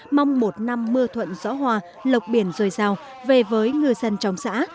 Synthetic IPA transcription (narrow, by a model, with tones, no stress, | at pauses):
ma˧wŋ͡mmo˨˩t̚na˧mːɨ˧ət̪ʰwə̰˧˨nzɔ̰˧˥ɦwaː˧˩ | lə˨˩wk͡p̚ɓi˧˩ənzəː˨˩jzaː˨˩w | ve˨˩vəː˨˦jŋɨ˧əjzə˧nt͡ɕɔ˨˦wŋ͡msa̰ː˧˥